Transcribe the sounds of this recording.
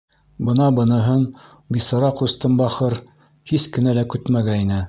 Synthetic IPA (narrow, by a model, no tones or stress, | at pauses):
bɤ̆nɑbɤ̆nɤ̆ɦɤn | bisɑɾɑqust̪ɤmbɑχɤɾ | hiskɘ̆nælækʉt̪mæɡæinɘ